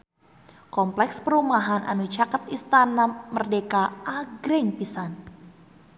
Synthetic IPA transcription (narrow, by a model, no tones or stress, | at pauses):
kɔmplɛkspəɾumaɦanʔa̰nut͡ʃakət̪ist̪anamərdekaʔaɡɾɪŋpisan